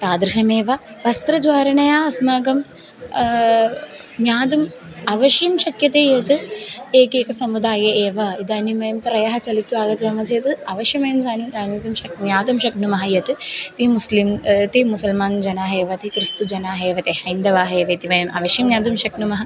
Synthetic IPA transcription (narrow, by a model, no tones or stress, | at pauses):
t̪aːd̪ɾiʃɐmeːʋɐ | ʋɐst̪ɾɐd͡ʒʋaːɾɐɳɐjaːɐsmaːɡɐm | ɲaːd̪um | ɐʋɐʃjɐmʃɐkjɐt̪eːjɐt̪ɨeːkeːkɐsɐmud̪aːjɐʔeːʋɐid̪aːnimɐjɐmt̪ɾɐjɐɦɐt͡ʃɐlit̪ːuaːɡɐd͡ʒɐːmɐsɐjɐt̪ɨɐʋɐʃjɐmɐjɐmsaːnuaːnit̪umʃɐknjaːd̪umʃɐknumɐɦɐjɐt̪ɨt̪imuslimt̪imusɐlmaːnd͡ʒɐnaːɦeːʋɐt̪ikɾist̪ud͡ʒɐnaːɦeːʋɐt̪eːhɐjnd̪ɐʋaːɦɐeːʋɐit̪iʋɐjɐmʔɐ̰ʋɐʃjɐmɲaːd̪umʃɐknumɐɦɐ